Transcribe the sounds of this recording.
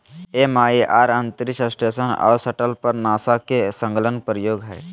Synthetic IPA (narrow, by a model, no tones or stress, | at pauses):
emaːiʔaːɾənt̪əɾisəsʈesəna̰ːɾsəʈəlpəɾnaːsakesə̃ŋɡlənpɾəjoːɡɦɛː